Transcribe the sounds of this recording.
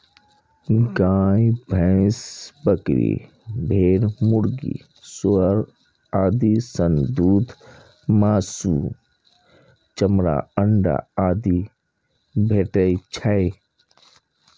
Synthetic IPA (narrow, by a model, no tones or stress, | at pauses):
ɡaːbʱə̃ɪsbəkɾḭ | bʱeːɾmʊɽɡḭ | sʊəɾ | aːd̪isənd̪uːd̪ʱ | maːsuː | t͡ʃəmɾa̰ːəɳɖa̰aːd̪i | bʱeːʈəit͡ʃʰaj